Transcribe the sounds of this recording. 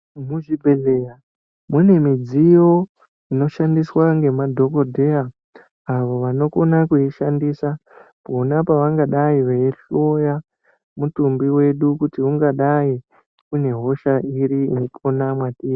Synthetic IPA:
muʐibʱe̞ɮeja | mune̞mid͡zijo̞ | ino̞ʃandiswaŋɡe̞madʱo̞ko̞dʱe̞aː | ʋo̞ʋano̞ko̞nakuiʃandiːsa | ponapaʋaŋɡaɗaiʋeiɬo̞ja | mutumbiwe̞ɗukutiuŋɡaɗai | kune̞ɦo̞ʃaiɾiinopʰonamwatiː

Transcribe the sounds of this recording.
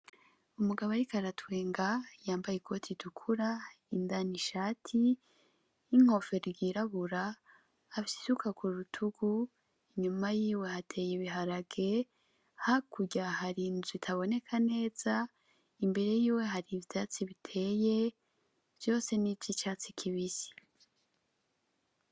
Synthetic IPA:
umuɡaβaɾikaɾatʰwe̞ːŋɡajaːmbajekʰo̞tʰidukʰuɾa | indaniʃaːtʰiː | ŋ̥o̞fe̞ɾɾɡiɾaβuɾaː | fisi̥sukʰakuɾutʰuɡ̥u | iɲumajiːwe̞hatʰe̞ːjiβiɦaɾaɡe̞ | hakuɟahaɾinzwitʰaβo̞ne̞kʰane̞ːz̥a | imbe̞ɾe̞jiːwe̞ɦaɾivjat͡siβitʰe̞ːje̞ | v̥jo̞ːse̞nivjit͡ʃaːt͡sikʰiβisi̥

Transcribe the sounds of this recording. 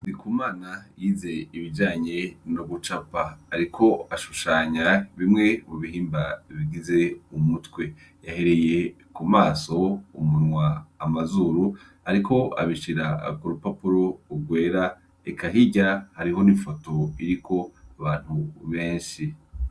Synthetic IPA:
nikumaːnajiːze̞iβid͡ʒaːɲe̞noɡut͡ʃapaaɾikʰo̞aʃuʃaːɲaβimŋe̞muβiɦiːmbaiβiɡize̞umutwe̞ | jahe̞ɾe̞je̞ | kumaːso̞ṵmunŋwaːmazuɾu | haɾiko̞a̰βiʃiɾa̰kuɾupapuɾo̞uɡwe̞ːɾa | ekʰaɦiɟahaɾiɦo̞nifo̞to̞iɾikʰo̞aβaːn̥huβe̞ːnʃi

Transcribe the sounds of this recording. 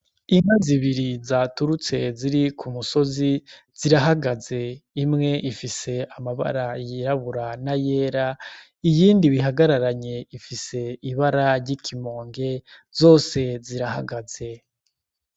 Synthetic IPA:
iŋaziβiɾizatuɾut͡se̞ziɾikʰumuso̞zi | z̥iɾaɦaɡaze̞imŋe̞ʔifise̞amaβa̰ɾajiɾaβuɾanaje̞ːɾa | ijiːndiβiɦaɡaɾaɾaɲe̞ifise̞iβaɾaɾɟikʰimo̞ːŋɡe̞ | zo̞ːse̞ziɾaha̰ɡaz̥e̞

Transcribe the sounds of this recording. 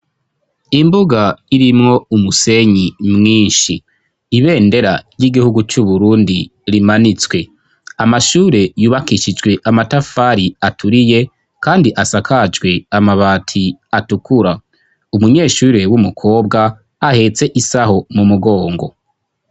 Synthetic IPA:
imbuɡaiɾimŋo̞umuse̞ɲimŋiːnʃiː | βe̞ːnde̞ɾa̰ɾjiɡihuɡut͡ʃuβuɾuːndiɾimanit͡swe̞ | amaʃuːɾe̞juːβakiʃid͡ʒɡwe̞ʔamatafaɾiatʰuɾije̞ | kaːndiʔasakʰad͡ʒɡwe̞amaβaːtʰiatukuɾa | umuɲe̞ːʃuːɾe̞wumukʰo̞ːbɡa | ahe̞t͡se̞ʔisaho̞mumuɡo̞ːŋɡo̞̰

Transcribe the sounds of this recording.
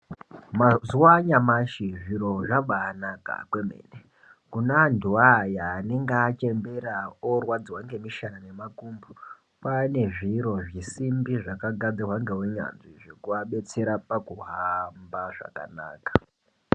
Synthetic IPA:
mazuwaɲamaʃiʐiɾo̞ʐaɓaːnaka̰kwe̞mḛːne | kunandʱuajaːne̞ŋɡːt͡ʃe̞mbe̞ɾaorwad͡zwaŋɡe̞miʃaane̞makumbu | pane̞ʐiɾo̞ʐisimbiʐakaɡʱad͡ziwaŋɡe̞weɲa̰nziʐe̞kuaɓe̞t͡se̞ɾapakuɦambaʐa̰ka̰na̰ːkḁ

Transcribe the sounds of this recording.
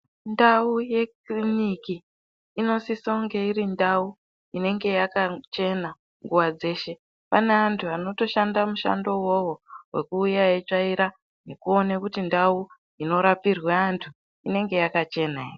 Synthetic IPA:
ndauje̞krinikiː | no̞sisoŋɡe̞iɾindau | ine̞ŋɡe̞jakat͡ʃe̞na | ŋɡuwad͡ze̞ːʃe̞ | pane̞antʰuano̞to̞ʃandamuʃa̰ndo̞wowowe̞̰kuːjajet͡ʂaiɾa | ne̞kuo̞nekutindau | ino̞ɾapirweantʰu | ine̞ŋɡe̞jakat͡ʃe̞nae

